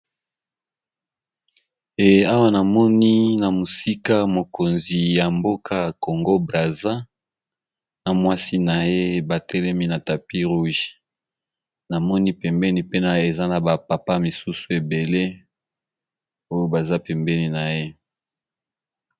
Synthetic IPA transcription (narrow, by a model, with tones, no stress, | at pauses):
e˨a˦wa˦na˨mɔ˦ni˦na˨mo˨si˦ka˦mo˨ko˨nzi˨ja˨mbo˦kʰa˦˨ko˨ŋɡo˦bʁa˨za˦ | na˨mwa˦si˦na˨je˦ba˨tʰɛ˦lɛ˦mi˦na˨ta˨pi˦ʁu˦ʒ | na˨mɔ˦ni˦pɛ˨mbɛ˦ni˨pe˦na˨e˨za˦na˨ba˨pa˨pa˦mi˨su˦su˨e˨be˨le˦ | o˦jo˦ba˨za˦pɛ˨mbɛ˦ni˨na˨je˦